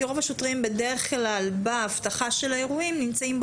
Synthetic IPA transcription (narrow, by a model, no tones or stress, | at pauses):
ʁo̞vaʃo̞tʁimbe̞deʁe̞χklalbaːft̪aχaʃe̞laeʁuimnimt͡saimb